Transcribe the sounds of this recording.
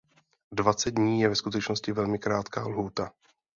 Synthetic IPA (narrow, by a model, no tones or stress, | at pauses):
dvat͡sɛd̪̚dɲiːjɛvɛskut̪ɛt͡ʃnoscɪvɛlmɪkɾaːt̪kaːlɦuːt̪a